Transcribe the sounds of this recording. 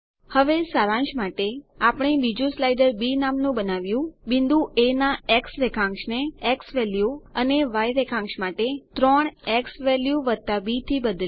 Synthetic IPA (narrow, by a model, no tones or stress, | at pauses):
həʋesaɾãnʃmaʈeapəɳ̃ebid͡ʒũslajɖəɾbinamnũbənaʋjũbind̪ũʔenaeksɾekʰãŋʃneːksʋɛljuəneʋajɾekʰãŋkʃmaʈet̪ɾɔɳeksʋɛljuʋəɾ̚t̪abit̪ʰibəd̪l